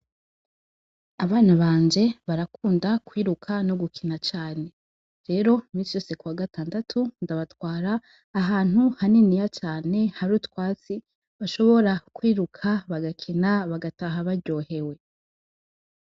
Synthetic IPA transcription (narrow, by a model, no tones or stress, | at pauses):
aβaːnaβaːɲd͡ʒe̞βaɾakuːndakwiːɾukʰanoɡukʰinat͡ʃaːne̞ | ɾe̞ːɾo̞imiːnsijo̞ːse̞kuwaɡatʰaːndatʰundaβatwaːɾaː | ɦaːn̥huhaninijat͡ʃaːne̞haɾuːtwaːt͡si | βaʃo̞βo̞ɾakwiːɾukʰaβaɡakʰinaβaɡataɦaβaɾɟo̞ːhe̞we̞